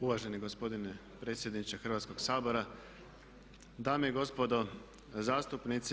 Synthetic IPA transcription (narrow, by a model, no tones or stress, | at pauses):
uʋaːʒe̞niɡo̞spo̞d̪ine | pɾe̞ːt̪sje̞d̪nit͡ʃexr̩ʋaːt̪sko̞ɡsaːbo̞ɾa | d̪aːmeiɡo̞spod̪o | zaːst̪upnit̪s